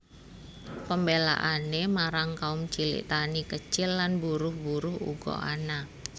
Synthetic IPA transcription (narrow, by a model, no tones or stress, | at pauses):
pəmbela̰ʔanemaɾaŋkaʊmt͡ʃilɪ̰ʔt̪anikət͡ʃɪlːanbuɾʊhbuɾʊɦṵɡɔ̰ʔa̰na